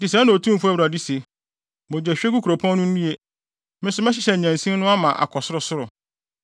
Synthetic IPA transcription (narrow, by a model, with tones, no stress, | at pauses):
tɪ˨sã˦nã˨o˨tʰũ˦˨fʊ˦æ˦wɾa˨di˦se˨ | mɔ˨d͡ʑᶣɛ˨ɕᶣɛ˦ku˦kʰu˨ɾo˨pʰɔ̃˦n˦nʊ̃˦n̩˦ĩ˦e˦ | mɪ̃˦n˦sʊ˨mɛ˦ɕɪ˨ɕɛ˨ɲæ̃˨n˨sĩ˦nʊ̃˦a˦mã˨ʔa̰˨kʰɔ˨sʊ˦ɾʊ˨sʊ˦ɾʊ˨